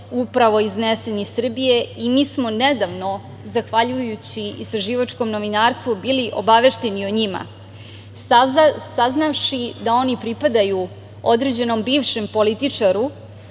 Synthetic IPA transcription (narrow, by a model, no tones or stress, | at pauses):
upɾaʋo̞iznese̞nisr̩bije̞imiːsmo̞ned̪aʋno̞ | zaxʋaʎujut͡ɕiḭst̪ɾaʒiʋat͡ʂko̞mno̞ʋinaːɾst̪ʋubiːliʔo̞̰baʋeʃt̪e̞nioɲima̰ | saznaʋʃid̪ao̞nipɾipad̪aju | o̞d̪ɾed͡ʑe̞no̞mbiːʋʃe̞mpo̞lit̪it͡ʂaɾu